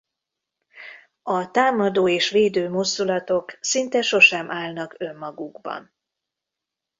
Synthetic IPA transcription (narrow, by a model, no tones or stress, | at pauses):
ɒt̪aːmɒd̪oːeːʃʋeːd̪øːmozd̪ulɒt̪o̞ksint̪ɛʃo̞ʃɛmʔaːlnɒkø̞mːɒɡuɡbɒ̰n